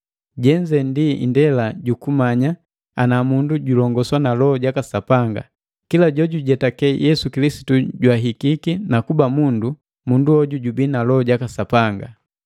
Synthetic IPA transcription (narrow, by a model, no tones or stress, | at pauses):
ɟɛɲd͡ʒɛndḭndɛlaɟukumaɲa | anamunduɟulɔŋɡɔswanalɔɔɟakasapaŋɡa̰ | kilaɟɔɟuɟɛtakɛjʔɛsukilisi̥tuɟwaɦikikinakubamundu | munduɔɟuɟubinalɔɔɟakasapaŋɡa